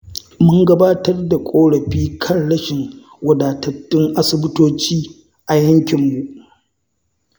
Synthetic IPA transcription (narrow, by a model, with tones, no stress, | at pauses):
mʊ˦ŋɡɐ˦baː˦tɐ˦rda˨kʷʼoː˦ɽɐ˨ɸiː˦kʰɐ˦˨nɽɐ˦ʃɪ˨ŋ | wɐ˨daː˨tɐ˨tːɪ˦ŋʔa˦sɪ˨bɪ˦toː˦t͡ʃiː˦ | ʔa˨jɐ˦ŋkʲɪ˨mːu˨ʔ